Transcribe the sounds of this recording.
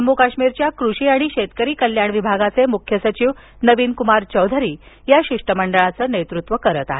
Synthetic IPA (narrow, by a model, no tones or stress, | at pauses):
əmːukaɕmiɾt͡ɕjakɾuɕiːaɽ̃iɕet̪kəɾiːkəljaɳʋibʱaɡat͡semukʰjəsət͡ɕiːʋ | nəʋiːnkumaɾt͡ɕəwd̪ʱəɾiː | jaɕiʂʈəməɳɖəɭat͡səːnet̪ɾut̪ʋəkəɾət̪a̰ɦe